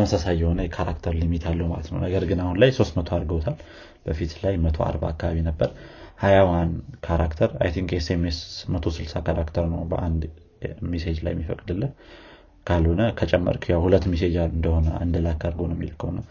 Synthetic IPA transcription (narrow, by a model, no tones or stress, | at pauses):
t̪əməsasajːɛho̞nəjɛkʰaɾakt̪ʰəɾlɨmit̪ʰalːəhwma̰lət̪nə̰wnəɡəɾɡɨnahunlajso̞st̪mət̪ʰoaɾɡəwt̪ʰal | b̥əfit̪lajmət̪ʰo̞̰a̰ɾba̰akːaβaβinəbːəɾhajawankʰaɾakt̪ʰəɾa̰jt̪ʰiŋkesemesmət̪ʰo̞sɨlsakʰaɾakt̪ʰəɾnəwbə̰ʔand̪ | mised͡ʒla̰jɛmːifəkʼd̪ɨlːɨn | kʰalhonəkʰət͡ʃʼɛmːə̰ɾkʰjawhulət̪ːmised͡ʒalɨnd̪əho̞nəɨnd̪əlakːaɾɡonəwɛmːḭlkʰəhnə